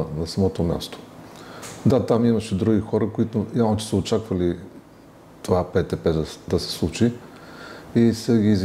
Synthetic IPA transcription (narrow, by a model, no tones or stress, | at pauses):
nɐsɐmɔt̪omʲja̰st̪o̥ | d̪at̪amimɐʃɛd̪ɾuɡʲixɔɾəkoit̪ʊjavnot͡ʃɛ̥səot͡ʃakvəli | t̪ovapɛt̪ɛpɛd̪d̪ɐsɛ̥slˠut͡ʃi | isəɡʲiːz